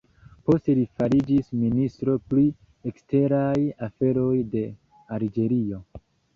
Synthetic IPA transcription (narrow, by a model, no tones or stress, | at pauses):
po̞ste̞lifaɾid͡ʒisministɾo̞pli | ekste̞ɾajafe̞ɾo̞jde̞ | aɾd͡ʒe̞ɾio̞